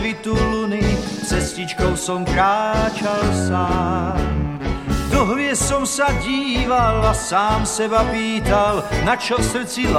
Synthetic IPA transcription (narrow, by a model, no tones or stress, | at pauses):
ʋit̪ulnift͡sɛscit͡ʃkɔʊsɔmkɾaːt͡ʃalsam | d̪ɔɦlɪɛsɔmsaɟiːʋalasaːmsɛbapiːt̪alnat͡ʃɔfsr̩t͡sil